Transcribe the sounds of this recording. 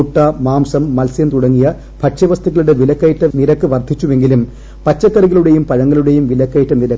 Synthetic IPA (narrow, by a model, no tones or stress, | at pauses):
uʈːɐmaːmsɐmːɐlsijɐmt̪uɽɐŋːijɐ | b̥ʱɐkʂɐʋɐst̪ʰiɣɐɭuɽeʋilɐkːɐjiʈːɐniɾɐkːɨʋɐrd̪ʱit͡ɕːuʋe̞ŋɡilum | pɐt͡ɕːɐkːɐriɣɐɭuɽe̞jumpɐɻɐŋːɐɭuɽe̞jumʋilɐkːɐjiʈːɐniɾɐk